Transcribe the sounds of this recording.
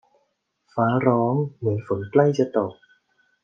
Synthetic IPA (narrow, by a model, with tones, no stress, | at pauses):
faː˨˦˥ɾɔː˦˥ŋmɯ˩˦ənfo˩˦nkla˥˩jt͡ɕa˧t̪o˨˩k̚